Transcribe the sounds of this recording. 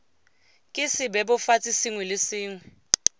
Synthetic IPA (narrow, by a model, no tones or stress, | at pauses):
kʼɪsɪbɛɓɔfat͡sʼisiŋwɛlɪsiːŋwɛ